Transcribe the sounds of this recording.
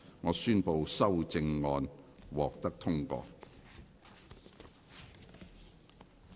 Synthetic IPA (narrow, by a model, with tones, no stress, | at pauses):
ŋɔː˨˧syː˥npo˧wsɐ˥wt͡sɪ˧ŋːɔː˧nwɔː˨k̚t̪ɐ˥k̚t̪ʰʊ˥ŋkɔ̰ː˧